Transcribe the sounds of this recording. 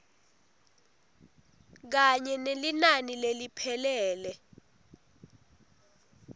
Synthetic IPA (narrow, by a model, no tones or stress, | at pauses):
k̬aɲɛnelinanilelipʰɛlɛːlɛ